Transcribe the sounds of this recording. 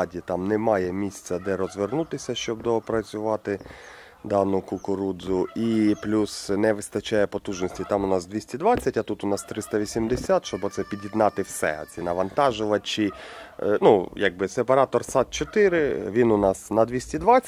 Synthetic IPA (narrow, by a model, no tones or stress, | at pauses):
dʲit̪ɑmnɛmɑjɛmʲisʲt͡sʲɐd̪ɛɾɔzʋernut̪ɪsʲɐʃt͡ʃɔb̚d̪ɔpɾɐt͡sʲʊʋɑt̪ɪ | d̪ɑnʊkʊkʊɾud̪zʊiplʲusnɛʋɪst̪ɐt͡ʃajɛpɔt̪uʒnɔsʲtʲit̪ɑmʊnɑzd̪ʋʲisʲtʲid̪ʋɑt͡sʲːɐtʲɐt̪ut̪ʊnɑst̪ɾɪst̪ɐʋʲisʲimd̪esʲat̪ʃt͡ʃɔbɔt̪sɛpʲidʲjid̪nɑt̪ɪwsɛ̰ɔ̰t̪t͡sʲinɐʋɐnt̪ɑʒʊʋɐt͡ʃi | nujaɡ̚bɪsepɐɾɑt̪ɔrsɑt̪̚t͡ʃɔt̪ɪɾɪʋʲinʊnɑsnɐd̪ʋʲisʲtʲid̪ʋɑt͡sʲː